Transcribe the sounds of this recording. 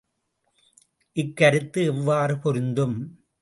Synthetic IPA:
ʔɪkːɐɾɯt̪ːɯɛʋːaːɾɯpɔɾɯnd̪ɯm

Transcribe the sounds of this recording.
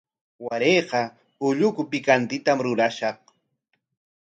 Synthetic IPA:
waɾeːqɑ | ʊʎʊkʊpɪkant̪ɪt̪amɾʊɾaʃɑχ

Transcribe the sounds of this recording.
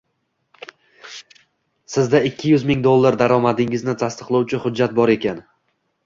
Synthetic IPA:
sɪzd̪aɪkʲʰːɪjʊzmɪŋd̪olˠːaɾd̪aɾɒmad̪ɪŋɪznɪt̪ʰast̪ɨ̥qlˠawt͡ʃʰɪhʊdd͡ʒːat̪̚bɒɾe̞kʲan

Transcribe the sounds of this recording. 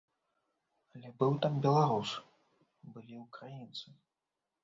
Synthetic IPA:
alʲɛbɨwt̪ambʲɛlˠaɾus | bɨlʲiwkɾajint̪sɨ

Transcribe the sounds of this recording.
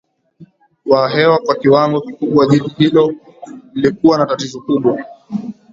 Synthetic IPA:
waɦɛwakwakiwaŋɡɔkikuɓwaʄitihilɔ | lilikuwanatatizɔkuɓwa

